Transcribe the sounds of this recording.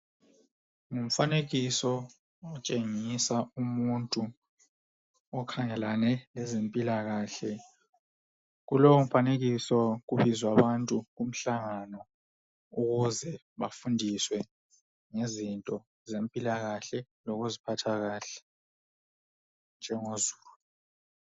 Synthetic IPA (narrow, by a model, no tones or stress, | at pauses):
ŋum̩faneɣisɔ | ɔt͡ʃʼeŋisaumuntʼu | ɔkʰaŋɛlanɛlɛzempʼilaɣaːɬɛ | ɣuloum̩faneɣisɔɣuβizwaβantʼuɣum̩ɬaŋanɔ | uɣuzɛ | βafundʱiswɛ | ŋezintʼɔ | zempʼilaɣaɬɛ | lɔɣuzipʰatʰaɣaːɬɛ̥ | nd͡ʒʱɛŋozuːlu